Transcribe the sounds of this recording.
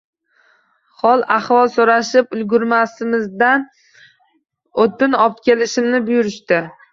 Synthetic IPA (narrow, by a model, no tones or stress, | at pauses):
χɒlˠaχvɒlˠsoɾaʃɪpʊlɡʊɾmasɪmɪzd̪an | ot̪ːɪnɒp̚t̪kʲʰe̞lɪʃɪmnɪbʊjʊɾɪʃt̪ɪ